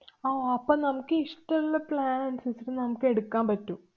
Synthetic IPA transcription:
oːɐpːoːnɐmukːɨiʂʈɐlːɐplaːnɐnsisitɨnɐmukːɨe̞ɽukːaːmpɐtːum

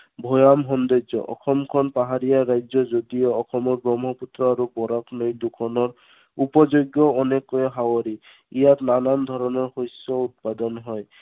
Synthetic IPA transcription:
bʱɔjamɦɔnd̪ɔd͡ʒɔ̰ʔɔ̰xʰɔmkʰɔnpaɦaɾijaɹajd͡ʒɔzod̪ijɔːxɔmɔɹbɹɔmɦɔput̪ɹɔaɾubɔɾaknojd̪ukʰɔnɔɹ | upɔzoɡjɔɔnekɔjɔɦawɔɾi | ijatnanand̪ʱɔɾɔnɔɹxojsːɔut̪̚pad̪ɔnɦɔj

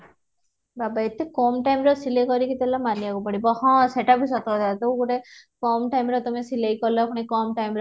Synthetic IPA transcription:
babaet̪ʰːekɔmʈajmɾɔsilekɔɾikit̪elamaniaɡupaɽibɔɦɔ̃seʈapisɔt̪ɔd̪at̪uwkuʈekɔmʈajmɾɔt̪ɔmesilejkɔɾlɔapʰuɽ̃ikɔmʈajmɾ

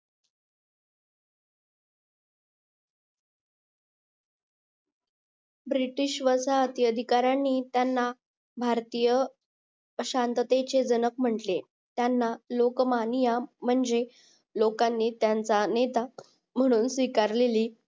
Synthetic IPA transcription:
bɾiʈiɕʋəsaət̪iəd̪ʱikaɾanːiːt̪janːa | bʱaɾt̪ijə | ɕant̪ət̪et͡sed͡zənək̚m̤əɳʈle | t̪janːalokmanijam̤əɳd͡ze | lokanːiːt̪jant͡sanet̪a | m̤əɽ̃uːnsʋikaɾleliː

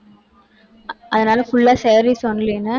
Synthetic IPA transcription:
ʔɐðɐnaːlɐfʊɭːaːsɛːɾisɔnːlɪɛnːɐ

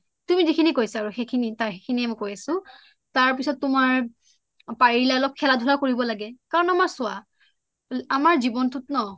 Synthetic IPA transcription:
tumizikʰinikojsaːɹuxekʰinitaɹxekʰiniɛmɔjkojasʊ̃ | taɹpisɔtːʊmaɹ | paɹilaɛlɔkʰːɛladʱulakoɹibɔlaɡɛkaɹɔnamaɹsʊa | amaɹzibɔntʊtnɔ

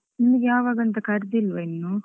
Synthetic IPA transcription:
nimɐɡejaːʋaːɡɐnt̪ɐkɐɾd̪ilʋɐinːu

